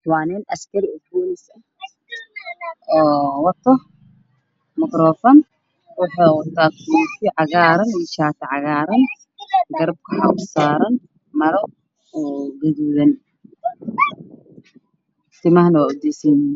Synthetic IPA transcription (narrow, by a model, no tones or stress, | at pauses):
waːnɛːnɐskʰɐɾɪɔfoːnɪsɐ | ʔɔːwɐt̪ʰːɔh | mɐkɾɔːfɐn | wʊħaːwɐt̪ʰːaːkʰutɪʕɑɣaːɾɐniʃaːt̪ʰɐʕɑɣaːɾɐn | ɡɐɾɐb̚kʰɐħa̰ʔʊsaːɾɐn | mɐɾɔ | ɔːɡɐðuðɐn | t̪ɪmɐhnɐwaːʊd̪ɛːsɛn